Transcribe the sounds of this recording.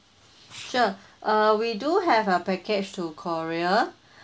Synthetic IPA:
ʃoʔawiduɦɛvəpɛket͡ʃtukʰɔɹia

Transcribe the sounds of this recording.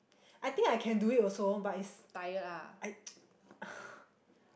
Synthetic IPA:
ʔajt̪ĩŋkajkʰɛ̃nduit̚ɔsobatitstajətaʔaj

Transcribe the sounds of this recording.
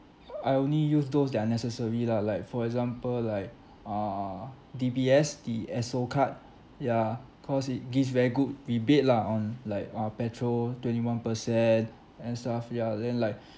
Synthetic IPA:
aɪõnlijusdosdɛanɛsəsəɹilalaɪkfɔɹɛkzãmpəllaɪk̚ | a | dibiɛsdiɛsokʰat̚ | ja | kʰɔsit̚ɡisvɛɹiɡut̚wibet̚laɔ̃nlaɪkapɛtʰɹoltwɛ̃ntiwãnpəsɛ̃n | ɛ̃nstafjadɛ̃nlaɪk̚

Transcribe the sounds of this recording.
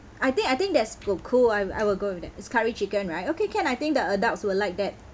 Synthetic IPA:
ajt̪ɪ̃ŋajt̪ɪ̃ŋk̚dɛtsokʰulaja̰jwɪlɡoɪfdɛtɪtskʰaɹit͡ʃikə̃nɹaɪt̚okekʰɛ̃najt̪ɪ̃ŋk̚dəədaltswəlaɪk̚dɛt̚

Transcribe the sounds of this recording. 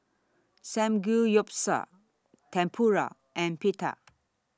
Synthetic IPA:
sɛ̃mɡujɔp̚sa̰ | tʰɛ̃mpʰuɾa̰ | ɛ̃npʰit̪ʰa̰

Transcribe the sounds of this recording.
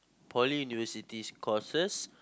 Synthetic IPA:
pʰɔlijunivəsitiskʰɔsəs

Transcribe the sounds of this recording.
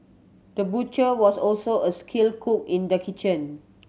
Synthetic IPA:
d̥əbut͡ʃəwɔsɔlsoʔəskʰilkʰuk̚ĩndəkʰit͡ʃə̃n

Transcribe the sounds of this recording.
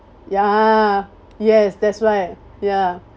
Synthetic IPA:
ja | jɛsdɛtsɹaɪt̚ | ja

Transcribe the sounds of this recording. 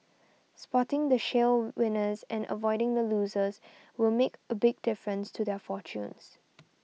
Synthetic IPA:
spɔtɪ̃ŋd̪əʃelwɪ̃nəzʔɛ̃nə̰vɔɪɾɪ̃ŋd̪əluːzəz | wɪlmekəbɪɡ̚dɪfɹə̃nstʰud̪ɛfɔt͡ʃṵ̃ns

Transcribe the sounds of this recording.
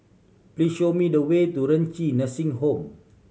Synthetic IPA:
pliʃomĩdəwet̪uɾənt͡ʃinasĩŋhõm

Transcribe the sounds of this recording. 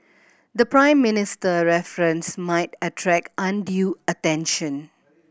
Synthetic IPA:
d̪əpɹãɪ̃mːɪnɪstəɹɛfɹə̃nsmaɪtətʰɹɛkãndjuətɛ̃nʃə̃n

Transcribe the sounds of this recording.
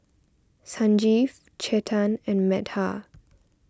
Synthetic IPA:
sãnd͡ʒif | t͡ʃʰɛtʰãnɛ̃nmɛtha

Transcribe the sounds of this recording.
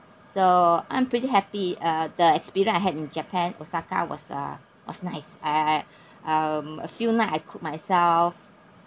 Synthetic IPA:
soã̰j̃mpɹ̥itiɦɛpiʌdəɛkspiɹiə̃naɪɦɛdĩnd͡ʒɛpʰɛ̃no̰saka̰wɔ̰sʌ̰ | wɔ̰snaɪsa | ʔʌmə̰funaɪtaɪkʰʊk̚maɪsɛlf

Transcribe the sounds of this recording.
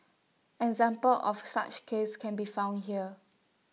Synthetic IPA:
ɛkzãmpəlʔɔfsa̰t͡ʃkʰeskʰɛ̃nbifãw̃ndɦiə

